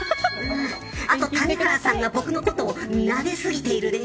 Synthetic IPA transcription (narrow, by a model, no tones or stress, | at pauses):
at̪o̞t̪anekaɾasãŋɡabo̞kɯ̟no̞ko̞t̪o̞ːnaɡe̞sɨɡʲit̪e̞iɾɯ̟d̪e